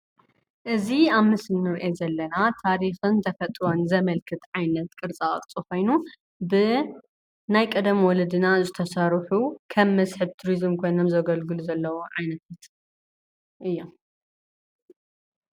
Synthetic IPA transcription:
ʔɨziaβmɨsnːɨɾʔezɐlːɐnat̪ʰaɾixɨnt̪ʰɐfɐt̪ʼɾo̞nzɐmɐlkʰɨt̪ʕajnɐt̪kʼɨɾt͡sʼa̰kʼt͡sʼiko̞jnu | bɨ | najkʼɐd̪ɐmwɔlɐd̪ɨnazɨt̪ʰɐsɐɾħukʰɐmːɐsħɨβt̪ʰuɾizɨmkʰo̞jnomzɐɡɐlɡɨluzɐlːɐwoʕajnɐt̪ʰat̪ | ʔɨjːo

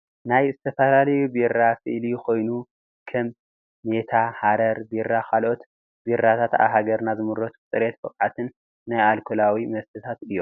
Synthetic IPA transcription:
najzɨt̪ʰɐfɐlalɐjubirːasɨʔlikʰo̞jnu | kʰɐmː | et̪ʰahaɾɐɾbiɾːakʰalʔo̞t̪ | biɾːat̪ʰat̪a̰βɦaɡɐɾnazɨmɨɾot̪t͡sʼɨɾet̪̚bɐkʼʕat̪ʰɨnː | ajalkʰolawimɐst̪ʰɨt̪ʰat̪ɨjːo

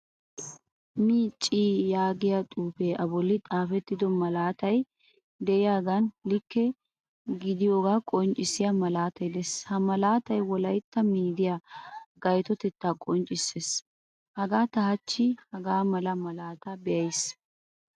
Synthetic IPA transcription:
miːt͡ʃʼːiːjaːɡɪjat̪ʼuːpeːʔɐbɔlːɪt̪ʼaːfɛt̪ːɪd̪ɔmɐlaːt̪ɐj | d̪ɛɪjaːɡɐnlɪkːɛ | ɡɪd̪ɪjoːɡaːkʼɔnt͡ʃʼːɪsɪjamɐlaːt̪ɐjd̪ɛshɐmɐlaːt̪ɐjwɔlɐjt̪ːɐmiːd̪ɪjaɡɐjt̪ɔt̪ɛt̪ːaːkʼɔnt͡ʃʼːɪsːeːs | hɐɡaːt̪ɐhɐt͡ʃːɪhɐɡaːmɐlɐmɐlaːt̪ɐbɛjɐjs

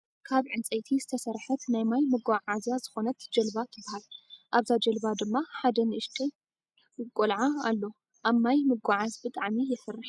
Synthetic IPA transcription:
kʰaβʕɨnt͡sʼɐjt̪ʰizɨt̪ʰɐsɐɾħɐt̪najmajmɨɡʷaʕazjazɨxo̞nɐt̪d͡ʒɐlbat̪ʰɨbːahalʔaβzad͡ʒɐlbad̪ɨmːaħad̪ɐnɨɨʃt̪ʰe | kʼːolʕaalːo̞ | ʔaβmajmɨɡʷaʕazbɨt̪ʼaʕmijɛsɨrːɨħ

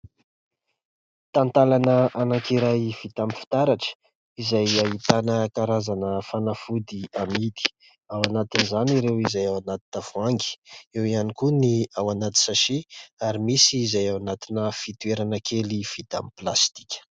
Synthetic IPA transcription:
t̪ant̪alanəʔanakiɾajv̥it̪amifi̥t̪aɾaʈ͡ʂə̥ | izajaɦit̪anəkaɾazanəfanafud̪iamid̪i̥ | awanat̪inizaniɾewizajawanat̪i̥nəv̥uaŋɡi̥ewianikuniawanat̪i̥saʃiaɾimisiːzajawanat̪inəfit̪ueɾanəkʰelifit̪a̰miplast̪i̥kʲə̥

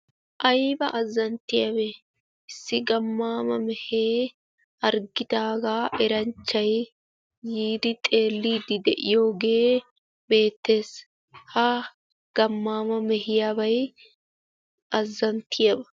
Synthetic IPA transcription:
ʔɐjbɐʔɐzːɐnt̪ːɪjɐbɛ | ɪsːɪɡɐmːaːmɐmɛheː | ɐɾɡɪd̪aːɡaːʔɛɾɐnt͡ʃːɐj | jiːd̪ɪt̪ʼe̞ːlːiːd̪ɪd̪ɛʔɪjo̞ːɡe̞ː | be̞ːt̪ːe̞ːs | hɐ | ɡ̥ɐmːaːmɐmɛhɪjabɐj | ʔɐzːɐnt̪ʰːɪjɐbɐ

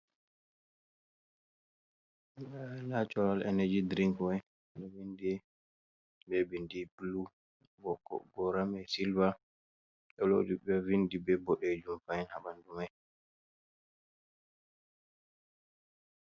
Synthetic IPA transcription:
alat͡ʃɔɾalɛ̰nɛd͡ʒidɾiŋkɛ | dɔwindi | bɛbindiblu | ɡɔkɔ̰ɡɔɾamɛsilva | ɗɔlo̰diɓɛvindibɛbɔɗɛd͡ʒumfajɛnhabandumaj

